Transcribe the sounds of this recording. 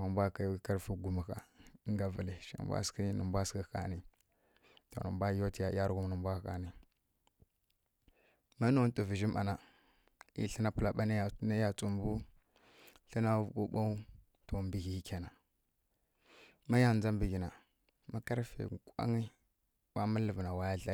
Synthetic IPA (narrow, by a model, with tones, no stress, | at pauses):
a˨mbʷa˦ka˨˦ka˦ɾfi˦ɡu˨mi˨ka̰˨˦ŋɡa˨və˨li˨ʃḭ˨mbʷa̰˦ski˦nə˨mbʷa˦ski˦ka̰˨ni˨ | to̰˨nə̰˨mbʷa˦jo˦ti˨ja˨˦ja˦ɾɡu˦mnə˨mbʷa˦˨ka˨ni˨ | ma˦no˦tʼo˨vi˨ʒi˦ma̰˨na˨ | ḭ˦ɬə˦na˦pu˦la˨ɓa˦na˦˨na˦ja˨t͡su˨mbu˦ | ɬi˦na˦vɓu˦ɓa˦u˦ | to˨mbi˨ɡi˨i˦ke˨na˨ | ma˦ja˨nd͡za˦mbi˨ɡi˨na˨ | ma˦ka˦ɾfḛ˨kʷa̰˦ŋi˦ | wa˦ma˦lə˨vna˨wa˦ja˦ɬa˦